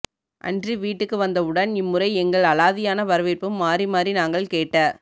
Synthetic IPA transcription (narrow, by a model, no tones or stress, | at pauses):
ʔɐ̰ndriʋiːʈːɯkːɯʋɐnd̪ɐɯɽɐnɪmːʊrɐɪɛŋɡɐɭɐlaːðɪjaːnɐʋɐɾɯʋɪɾpɯmːaːrimaːdrinaːŋɡɐɭkeːʈːaː